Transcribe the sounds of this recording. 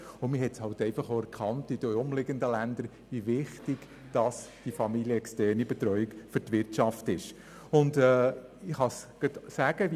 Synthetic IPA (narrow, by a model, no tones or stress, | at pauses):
ʊmɪɦɛtshɑʊtɛɪfɑχoæɾkʰɑntid̥əʊmlɪɡəndəlænd̪əɾ | vivɪχtɪɡ̥ | d̥ɑsd̥ifɑmiljəɛkstɛrnibɛt̪ɾœʏɪkfʏɾtʋɪɾtʃɑftɪʃ | ʊndɛɪχɑsɡ̥ətsæɡ̥əʋ